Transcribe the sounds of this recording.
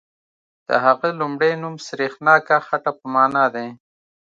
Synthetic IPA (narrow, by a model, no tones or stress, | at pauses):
d̪̥ə̰ɦaɣelumɽenumsɾexnɑːkaxaʈapəmɑːnad̪e